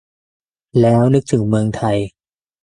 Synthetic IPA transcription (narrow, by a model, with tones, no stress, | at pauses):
lɛː˦˥wnɯ˦˥k̚t̪ʰɯ˩˦ŋmɯ˧əŋt̪ʰa˧j